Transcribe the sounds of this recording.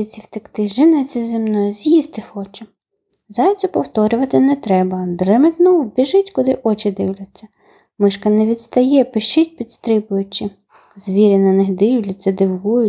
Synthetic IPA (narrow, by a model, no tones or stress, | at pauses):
ɪt͡sʲiwt̪ɪkt̪ɪʒɪnɛt͡sʲɐzɪmnɔjʊzʲjist̪ɪxɔt͡ʃɛ | zɑjʲt͡sʲɔpɔwt̪ɔɾʲʊʋɐt̪ɪnɛt̪ɾɛbɐd̪rɛmɪt̪ʲnɔwbʲiʒɪtʲkʊd̪ɪʔɔt͡ʃɪd̪ɪwlʲɐt͡sʲːɐ | mɪʃkɐnɛʋʲid̪st̪ɐjɛpɪʃɪt̚ʲpʲid̪st̪ɾɪbʊjʊt͡ʃɪ | zʋʲiɾʲɪnɐnɪxd̪ɪwlʲɐt͡sʲːɐd̪ɪwɦujʊ